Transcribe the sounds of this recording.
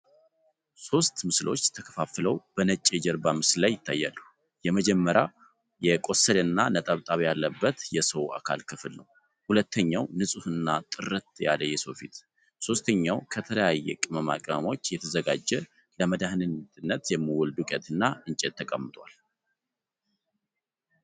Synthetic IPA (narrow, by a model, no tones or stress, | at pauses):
so̞st̪mɨslʔo̞̰t͡ʃːt̪ʰəkʰə̥fafləwb̥ənət͡ʃʼːed͡ʒɛɾbamɨslajːɪt̪ʰːa̰jːalːu | jɛməd͡ʒɛmːəɾja | jɛkʼo̞səlɨnːanət̪ʼəβt̪ʼaβjalːəbːət̪jɛsəwʔa̰kʰa̰lkʰɨfɨlnəw | hulət̪ːəɲːawnɨsʼuhɨnːat̪ʼɨɾɨt̪ja̰ləjɛsowfit̪ | so̞st̪ʰəɲːawkʰət̪ʰələjajːɛkʼɨməma̰kʼəmo̞t͡ʃːjɛt̪ʰəzəɡad͡ʒːɛ | ləməd̪ahnɨnɨnːət̪jɛmːɨwɔld̪ukʼɛt̪ʰɨnːaɨnt͡ʃʼet̪ʰːəkʼəmːɨt̪ʼwal